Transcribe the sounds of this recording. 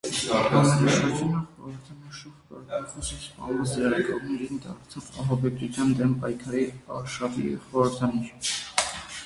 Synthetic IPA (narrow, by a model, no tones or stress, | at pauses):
ɑmɛd̪ɑʃɑɾd͡ʒɑnəχɔɾəɾt̪ʰɑniʃɔvkɔɾkɑχɔʃispɑ̰nmɛsəɾɑɾɛkɔʁnɛɾind̪ɑ̰ɾt͡sʰɑvɑɦɑbɛk̚t͡sʰut͡sʰjɑnd̪ɛmpɑjkʰɑɾiɑɾʃɑvḭχɔɾəɾt̪ʰɑniɾ